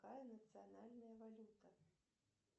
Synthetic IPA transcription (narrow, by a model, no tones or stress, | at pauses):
ajɐnɐt̪sɨjanalʲnɐjɐvalʲut̪ɐ